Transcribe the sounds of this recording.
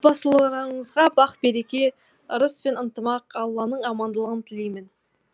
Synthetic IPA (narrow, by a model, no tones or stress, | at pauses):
bɑsəlˠɾəɴəzʁɑbɑqbe̞ɾe̞kʲe̞ | əɾəspe̞nənt̪əmɑqɑlˠːɑnəɴɑmɑnd̪əlˠəʁənt̪ʰɪlejmɪn